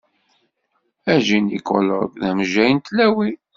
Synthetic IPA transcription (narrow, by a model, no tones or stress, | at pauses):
æʒinḭkːo̰ləɡðæmʒæjnt̪læwi